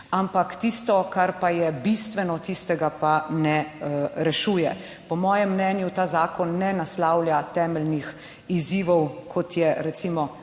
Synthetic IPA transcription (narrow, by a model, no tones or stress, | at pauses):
ampakt̪ist̪ɔkaɾpajɛbist̪ʋɛnɔt̪ist̪ɛɡapanɛɾɛʃuːjɛ | pɔmɔːjɛmːnɛːnjut̪aːzaːkɔnːɛnaslaːwlʲjat̪ɛːmɛlnix | iziːʋɔwkʰɔt̪jɛɾɛt̪simɔ